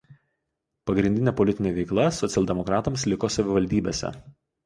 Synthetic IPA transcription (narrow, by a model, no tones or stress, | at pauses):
pɐɡɾʲɪnd̪ʲɪnʲɛːpɔlʲɪt̪ʲɪnʲeːʋʲɛɪklˠɐsɔt̪sʲɛlˠʲd̪ʲɛmɔkɾɑːt̪ɐmslʲɪkosɐʋʲɪʋɐlʲd̪ʲiːbʲḛːsʲɛ̰